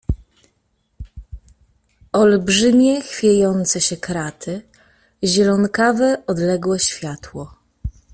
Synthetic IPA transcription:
ɔlbʐɘmʲjɛxfʲjejɔnt̪sɛɕɛkɾat̪ʰɘ | ʑɛlɔnkavɛɔd̪lɛɡwɛɕfʲjat̪wɔ

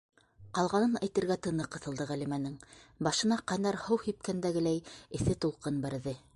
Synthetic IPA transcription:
qɑlˠʁɑnɤnæjt̪ɘ̆ɾɡæt̪ɤ̆nɤqːɤ̆θɤ̆lˠd̪ɤʁælimænɘŋbɑʃɤ̆nɑqɑjnɑɾhɤwhip̚kænd̪æɡɘlæjɘ̆θɘt̪ulˠqɤnbæɾðɘ

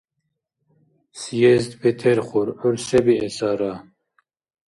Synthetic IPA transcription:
sjɛzd̪bɛt̪ʰɛɾχuɾɔɾsɛbiɛsaɾa

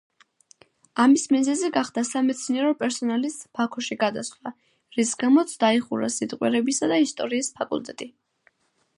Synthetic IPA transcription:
amismizɛziɡaχd̪asamɛt̪sʰniɛɾɔpʼɛɾsɔnalist̪b̥akʰɔʃiɡad̪asχwa | ɾisɡamɔt̪sʰd̪aiχṵɾa̰sit̪ʼqʼwɛ̰ɾɛbisad̪aist̪ʼɔɾiːspʰakʼṵlt̪ʼɛt̪ʼi

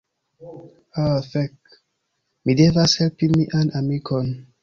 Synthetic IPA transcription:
afɛk̚ | midɛvashɛlpĩŋmiʔãnamikʰɔ̃n

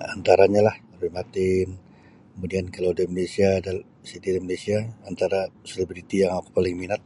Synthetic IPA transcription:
ant̪aɾaɲalah | ɾuimat̪ɪn | kəmudiankalawdaimanesiadal | sit̪idmanesiaant̪aɾaselibɾit̪ijaŋaku̥palɪŋminat̪̚

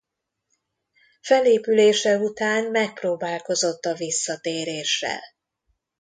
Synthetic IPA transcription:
fɛleːpyleːʃɛut̪aːnmɛk̚proːbaːlko̞zo̞t̪ːɒvisːɒt̪eːɾeːʃːɛ̰l

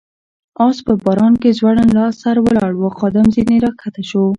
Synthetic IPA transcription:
ɑspəbɑɾɑnkezwaɽanlɑsaɾwəlɑɽwəxɑd̪amzineɾɑkʰat̪aʃo

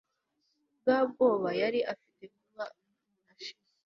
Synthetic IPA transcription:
bɡaːb̚ɡo̞ːβajaɾiʔafite̞kuβa | naʃi̥

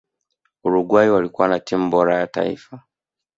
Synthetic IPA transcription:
uɾuɡwaiwalikuwanatimubɔɾajata̰ḭfa

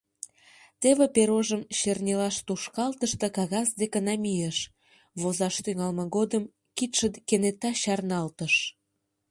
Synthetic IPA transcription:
t̪eβĕpeɾoʒəmɕernʲelɑʃt̪uʃkɑlt̪əʃt̪ə̆kɑɣɑsd̪ekənɑmʲijeʃ | βozɑʃt̪yŋɑlməɣod̪əm | kit̪ʃəd̪kenet̪ɑɕɑrnɑlt̪əʃ

